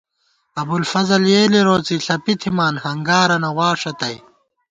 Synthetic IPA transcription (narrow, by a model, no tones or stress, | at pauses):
ɐbulfɐzɐljeːliɾoːt͡siɬɐpit̪ʰimaːnhɐŋɡaːɾɐnɐwaːʂɐt̪ɐj